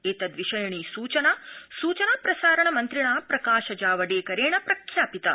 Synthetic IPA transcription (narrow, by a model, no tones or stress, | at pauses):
eːt̪ɐd̪ʋiʃɐjɐɳiːsuːt͡ʃɐnaːsuːt͡ʃɐnɐpɾɐsaːɾɐɳɐmɐnt̪ɾiɳaːpɾɐkaːʃɐd͡ʒaːʋɐɖeːkɐɾeːɳɐpɾɐkʰjaːpit̪ɐ